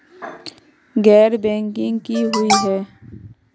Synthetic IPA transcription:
ɡɛːɾbɛ̃ːŋkɪ̃ŋɡkiɦʊiɦɛː

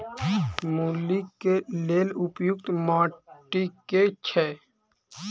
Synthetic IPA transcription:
mulːikeleːlʊpjʊkt̪maːʈiket͡ʃʰɛː

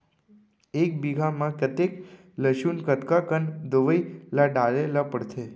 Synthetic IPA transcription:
ek̚biɡʱamãkət̪ek | ləʃunkət̪kakənd̪əʋəilaɖaɾelapəɽt̪ʰe

